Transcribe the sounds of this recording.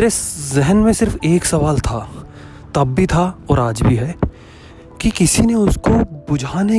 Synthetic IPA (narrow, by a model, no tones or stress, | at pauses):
ɾezɛɦənmẽsɪɾfeːksɐʋaːlt̪ʰa | t̪ɐbːit̪ʰaɔːɾaːd͡ʒbʱiɦɛ | kikɪsineʊskobʊd͡ʒʱaːne